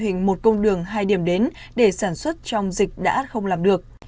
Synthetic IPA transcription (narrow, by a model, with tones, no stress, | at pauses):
hï˨˩ŋ̟mo˨˩t̚kə˧wŋ͡mɗɨ˨˩əŋɦaː˧jɗi˧˩əmɗe˨˦n | ɗe˧˩saː˧˩nswə˦˥t̚t͡ɕɔ˧wŋ͡mzï˨˩k̟̚ɗa̰ː˧˥xə˧wŋ͡mlaː˨˩mɗɨ˨˩ək̚